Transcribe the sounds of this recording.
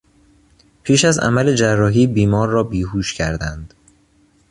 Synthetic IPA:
pʰiːʃæzæ̰mæled͡ʒærːɒːɦiːbiːmɒːɾːɒːbiːhuːʃcʰæɾd̪ænd̪̥

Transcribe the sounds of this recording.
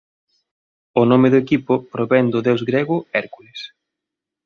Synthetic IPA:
ʊnomeðʊekipʊpɾoβɛnd̪ʊðewzɡɾeɣʊɛɾkulɪs

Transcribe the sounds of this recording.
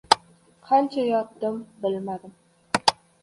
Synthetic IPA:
qʰant͡ʃʰajɒtd̪əmbɪlmad̪ɪm

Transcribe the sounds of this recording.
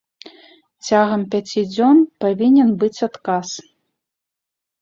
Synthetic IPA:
t͡sʲaɣɐmpʲat͡sʲid͡zʲɔnpavʲinʲɛnbɨt͡sʲat̪kas

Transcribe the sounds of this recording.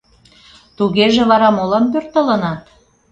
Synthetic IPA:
t̪uɣeʒĕβɑɾɑmolɑmpørt̪ələ̆nɑt̪

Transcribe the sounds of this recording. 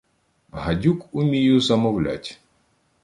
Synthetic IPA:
ɦɐdʲukʊmʲijuzɐmɔwlʲa̰tʲ

